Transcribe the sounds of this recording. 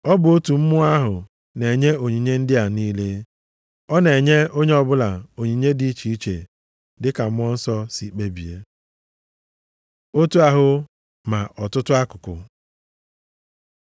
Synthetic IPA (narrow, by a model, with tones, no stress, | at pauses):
ɔ˦bʊ˨o˦tu˨m̩˦mʊ˦a˦ɦʊ˨ | ne˨ɲe˦o˨ɲi˨ɲe˦n̩˦dɪ˦a˨niː˦le˦ | ɔ˦ne˨ɲe˦o˦ɲe˦ɔ˨bʊ˦la˨o˨ɲi˨ɲe˦di˦˨˦t͡ʃi˨i˦t͡ʃḛ˨ | dɪ˦ka˨m̩˦ɔ˦n̩˦sɔ˦si˨k͡pe˦bi˨e˦ | o˦tu˦a˦ɦʊ˨ | ma˨ʔɔ˨tʊ˦tʊ˦a˦kʊ˨kʊ̰˨